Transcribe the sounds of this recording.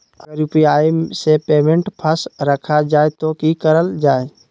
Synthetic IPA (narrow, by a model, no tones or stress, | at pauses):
əəɾjupiaːmsepeːmẽɳʈpʰəsɾəkʰad͡ʒaːet̪okikəɾəld͡ʒaːe